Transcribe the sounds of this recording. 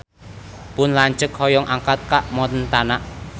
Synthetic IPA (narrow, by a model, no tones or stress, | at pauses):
pʊnlaɲt͡ʃək̚hɔjɔŋʔaŋkat̪̚kaʔmɔt̪ənt̪anaʔ